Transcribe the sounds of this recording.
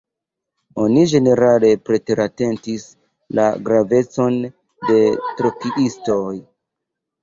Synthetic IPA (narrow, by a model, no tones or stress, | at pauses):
o̞nid͡ʒe̞ne̞ɾale̞pɾe̞teɾate̞ntis | la̰ɡɾave̞t͡so̞n | de̞tɾokiʔisto̞j